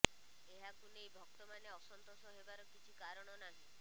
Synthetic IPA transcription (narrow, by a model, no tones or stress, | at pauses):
eɦakunejbʱɔk̚t̪ɔmaneɔsɔnt̪osɔɦebaɾɔkit͡ʃʰikaɾɔɽ̃ɔnaɦĩ